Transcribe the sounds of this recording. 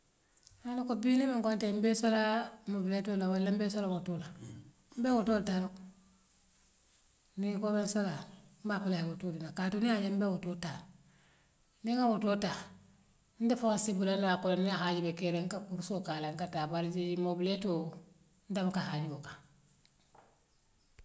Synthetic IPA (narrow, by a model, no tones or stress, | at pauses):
anokobinemiŋkontembesolamobiletolawalːambeːsolawotola | m̩bewotoːltaɾok | nikomensolambapulahewotudinakatuniaɲembewotota | niŋawotota | ndefokasibulanakolniahaɟibekeɾeŋkakuɾsokalaŋkatabaɾd͡ʒid͡ʒimobileto | ndamkahaɟiboka